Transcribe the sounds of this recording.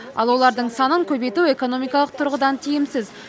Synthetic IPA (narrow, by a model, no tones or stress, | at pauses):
ɑ̰lˠwo̞lˠɑɾd̪əɴsɑnəŋkʲʰɵbe̞jt̪ue̞ko̞no̞mijkɑlˠəq̚t̪ʰʊɾʁəd̪ɑnt̪ʰijɪmsɪz